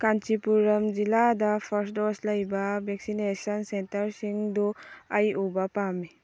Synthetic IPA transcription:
kant͡ʃipuɾɐmd͡ʒiladɐpʰɐɾsdoslɐjbɐbeksinesɐnsentɐɾsiŋduɐjubɐpami

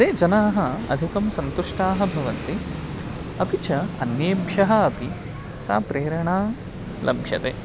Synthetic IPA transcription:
d̪eːd͡ʒɐnaːɦɐɐ̰d̪ʱikɐmsɐnt̪uʂʈaːɦɐbʱɐʋɐnt̪i | ɐbʱit͡ʃɐɐnjeːbʱjɐɦɐːpi | sa̰ːpɾeːɾɐɳaː | lʔɐ̰mbʱjɐ̰t̪eː

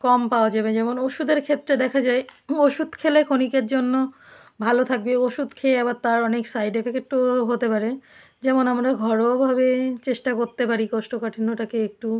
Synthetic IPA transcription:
kɔmpaoad͡ʑabed͡ʑɛmonoʃud̪eɾkʰet̪ːɾed̪ɛkʰad͡ʑaeoʃud̪kʰelekʰonikeɾd͡ʑonːo | bʱalot̪ʰak̚beoʃud̪kʰelaβaɾt̪aɾɔneksajɖefekeʈoɦot̪epaɾe | d͡ʑɛmonamɾaɡʱɔɾobʱabet͡ɕeʃʈakoɾt̪epaɾikɔʃʈokaʈʰinoʈakeek̚ʈu

